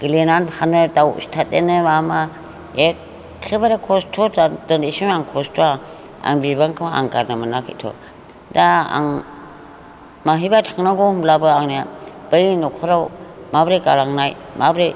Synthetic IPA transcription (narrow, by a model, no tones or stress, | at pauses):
ɡ̥ilenanhanɯdawstʰat̚enɯmama | ek | kʰːɯbaɾakʰɔstʰɔdadɯndisinaŋkʰɔstʰua | a̰ŋbibaŋkʰɯmaa̰ŋkaɾnɯmanakʰḭtʰɔ̰ | daa̰ŋ | maɦibatʰaŋnaɡɔhumlabɯaŋniab̥ajnɔkʰɔɾawmabɾekalaŋnaj | mabɾe